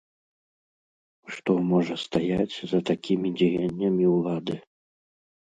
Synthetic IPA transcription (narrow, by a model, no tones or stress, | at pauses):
ʂt̪ɔmɔʐɐst̪ajat͡sʲzɐt̪akʲimʲid͡zʲijanʲːɐmʲiwlˠad̪ɨ